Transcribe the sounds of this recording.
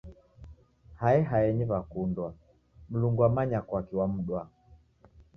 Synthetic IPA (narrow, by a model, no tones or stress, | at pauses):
haɛɦaɛɲiβakundwa | m̩luŋɡuamaɲakɔakiwam̩ɗwa